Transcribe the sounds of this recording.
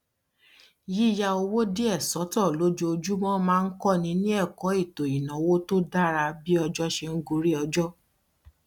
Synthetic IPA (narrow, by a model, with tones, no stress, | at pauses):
ji˦ja˧o˧wo˦di˦ɛ˦˨sɔ˨˦tɔ˦˨lo˦d͡ʒo˧o˧d͡ʒu˦mɔ̃˦mãː˦˧n̩˦kɔ˦˨nĩ˧nĩ˦ɛ˦˨kɔ˨˦i˦˨to˨i˨nã˨wo˦to˦da˦ɾa˧bi˦ɔ˧d͡ʒɔ˦ʃe˧ŋ̩˦ɡu˧ɾi˦ɔ˧d͡ʒɔ˦